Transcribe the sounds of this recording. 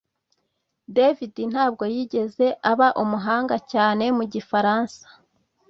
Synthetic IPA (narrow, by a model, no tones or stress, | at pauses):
devidin̥haːb̚ɡo̞jiːɟe̞ze̞ʔaβaʔumuɦaːŋɡacaːne̞muɟifaɾaːnsḁ